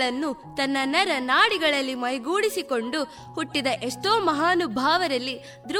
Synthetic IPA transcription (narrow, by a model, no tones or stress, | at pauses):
ɭɐnːut̪ɐnːɐnɐɾɐnaːɽiɡɐɭɐlːimɐjɡuːɽisiko̞ɳɖu | huʈːid̪ɐʔeʂʈoːmɐɦaːnubʱaːʋɐɾɐlːi | d̪ɾu